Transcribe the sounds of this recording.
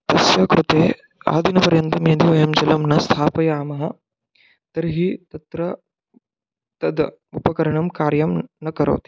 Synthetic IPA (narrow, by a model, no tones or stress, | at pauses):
t̪ɐsjaːkɾut̪eː | a̰ːd̪ʱinɐpɐɾjɐnt̪ɐmjɐd̪iʋɐjɐmd͡ʒɐlɐmnɐst̪ʰaːpɐjaːmɐɦɐ | t̪ɐɾɦit̪ɐt̪ɾɐ | t̪ɐd̪ | upɐkɐɾɐɳɐmkaːɾjɐmnɐkɐɾɐ̰ːt̪i̥